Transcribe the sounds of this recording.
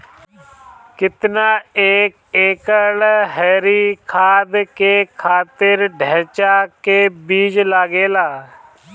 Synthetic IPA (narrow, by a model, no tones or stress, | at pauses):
kɪt̪naːeːkeːkəlɦɛːɾiːkʰaːd̪keːkʰaːt̪ɪɾɖʱɛ̃ːt͡ʃaːkeːbiːd͡ʒlaːɡeːlaː